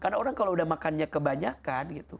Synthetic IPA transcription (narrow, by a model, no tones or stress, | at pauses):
kanaoɾaŋkaloudahmakanɲakəbaɲakanɡit̪u